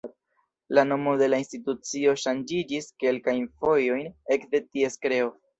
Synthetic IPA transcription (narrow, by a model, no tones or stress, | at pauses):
lano̞mo̞de̞lainstitut͡sio̞ʃand͡ʒid͡ʒiske̞lkajnfo̞jo̞jne̞kde̞tie̞skɾe̞o